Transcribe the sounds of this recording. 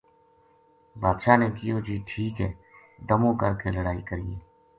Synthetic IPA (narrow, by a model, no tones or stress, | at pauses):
baːd̪ʃaːneːkɪjoːd͡ʒiːʈʰiːkɦɛː | d̪əmõːkəɾkeːləɽaːiːkəɾiːẽː